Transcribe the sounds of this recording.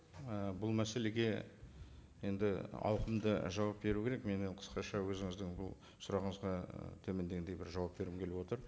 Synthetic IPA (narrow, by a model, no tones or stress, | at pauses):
əbʊlˠmæse̞le̞ɡʲe̞ | je̞nd̪ɪɑ̰wqəmd̪əʒɑwɑp̚be̞ɾukʲʰe̞ɾe̞kme̞neɴqʰə̥sqɑʃɑwɵzɪŋɪzd̪ɪŋbʊlˠ | sʊɾɑʁəɴəzʁɑt̪ʰɵmend̪eɡend̪ejbɪɾʒɑwɑp̚be̞ɾɪmkʰʲe̞lɪwot̪əɾ